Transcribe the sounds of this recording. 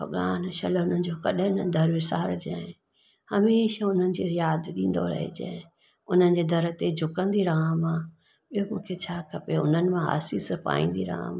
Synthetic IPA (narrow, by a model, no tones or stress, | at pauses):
bʱɐɠaːnʃɐlʊn̤ənɪ̆d͡ʑoːkɐɗɪ̃nəd̪ʱɐɾʋɪsaːɾd͡ʑã̰ːẽ | hɐmeːʃaʊn̤ənɪ̆d͡ʑiːɾɪjaːd̪ɗĩːn̆d̪o̰ɾɐ̰ɦḛd͡ʑa̰e | ʊn̤ənɪ̆d͡ʑeːd̪ʱɐɾət̪ed͡ʑʱʊkə̃nd̪iɾaɦãmãː | ɓijomũːkʰet͡ɕʰaːkʰɐpeʊ̰n̤ənɪ̆mãɦa̰ːsispa̰ːĩːn̆d̪iɾa̰ːã̰mː